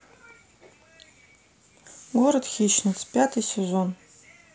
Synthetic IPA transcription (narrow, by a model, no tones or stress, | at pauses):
ɡʷoɾəd̪xʲiʃnɨt͡spʲat̪ʰɨjsʲezon